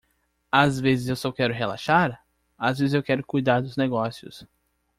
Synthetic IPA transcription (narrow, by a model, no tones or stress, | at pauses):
azvezɪzewsɔkɛɾʊɦela̰ʃaɾ | azvezɪzewkɛɾʊkujd̪aɾd̪ʊzneɡɔsiʊ̰s